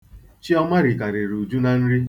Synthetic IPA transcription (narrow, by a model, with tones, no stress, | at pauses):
t͡ʃi˦ɔ˦ma˦ɾi˨ka˨ɾe˨ɾu˨d͡ʒu˦na˨n̩˦ɾi˦